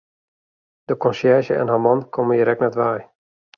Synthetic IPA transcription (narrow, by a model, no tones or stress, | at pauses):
d̥əkɔnsjɛʒəɛ̰nɦamɑnkʰɔmənjiɾɛknatʋaj